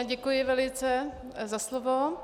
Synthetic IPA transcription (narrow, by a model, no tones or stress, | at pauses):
ɟɛkujɪvɛlɪt͡sɛ | zaslovo